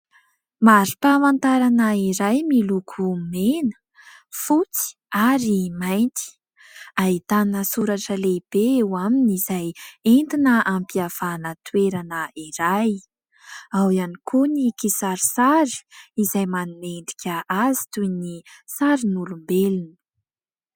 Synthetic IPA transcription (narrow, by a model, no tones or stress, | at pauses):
maɾipamant̪aɾanəiɾajmilukʰumenə̥ | fut͡si̥ | aɾimajnt̪i̥ | ait̪anəsuɾaʈ͡ʂəleb̥eewaminizajent̪inəʔampiav̥anət̪ueɾanəiɾaj | awianikʰunikisaɾisaɾi̥izajmanunend̪i̥kʲəʔazi̥t̪ujnisaɾinulumbelinə̥